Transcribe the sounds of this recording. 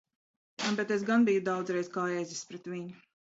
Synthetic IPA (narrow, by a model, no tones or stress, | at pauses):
bɛt̪esɡanbijud̪awd̪zɾɛjzkaːjɛjzispɾɛt̪viɲu